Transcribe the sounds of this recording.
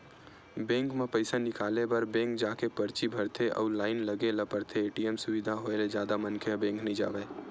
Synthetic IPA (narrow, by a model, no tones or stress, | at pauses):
bɛ̃ːŋkmẽpəɪsanɪkaːlebɐɾbẽːŋk̚d͡ʒaːkepɐɾt͡ʃibʱɐɾt̪ʰeʔɔ̰ːlaːɪnlɐɡelɐpəɾt̪ʰeeːʈiɛmsʊʋɪd̪ʱaɦoeled͡ʒjaːd̪amɐ̃nkʰebɛ̃ːŋknəĩd͡ʒa̰ːʋeː